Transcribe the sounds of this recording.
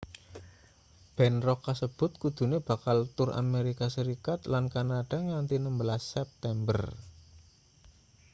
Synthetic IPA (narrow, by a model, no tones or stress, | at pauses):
b̥ɛnrɔkːasəb̥ʊ̤t̪̚kud̪̥ṳneb̥a̤kalt̪ʊra̰meɾikasəɾikat̪lankanad̥a̤ŋant̪inəmbəlasːɛp̚t̪ɛmbə̰r